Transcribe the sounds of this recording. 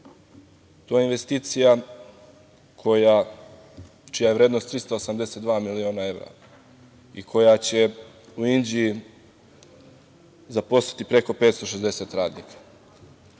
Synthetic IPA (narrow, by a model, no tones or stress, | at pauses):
t̪oːjeinʋe̞st̪iːt̪sija | kʰo̞ja | t͡ʃijajɾe̞ːd̪nost̪ːɾist̪oosamd̪e̞se̞t̪d̪ʋaːmilio̞ːnae̞vɾa̰ | ikʰo̞jat͡ɕe̞ | uind͡ʒiji | zapo̞st̪ḁt̪ipɾe̞ko̞pet̪st̪oʃezd̪e̞se̞t̪ɾaːd̪niːkʰḁ